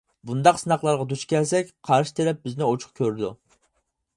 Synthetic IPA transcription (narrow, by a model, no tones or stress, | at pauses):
bund̪ɑqsɨnɑχlˠɑɾʁɑd̪ut͡ʃkʲʰɛlsɛkʲqʰɑɾʃi̥t̪ʰeɾɛp̚bɪznɪot͡ʃʰʊ̥χkʲʰøɾɪd̪u